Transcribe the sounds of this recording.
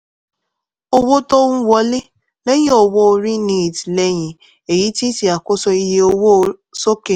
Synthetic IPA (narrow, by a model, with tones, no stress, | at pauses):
o˦wo˦to˦wɔ˦lɪ˦ | le˦ɲ˦o˨wo˦˨ɾi˦ni˦˨dle˦ɲi˨ | e˨ji˦ti˦ti˨a˨kʊ˦sɔ˦i˦ɦe˦o˦wo˦ | so˦ke˨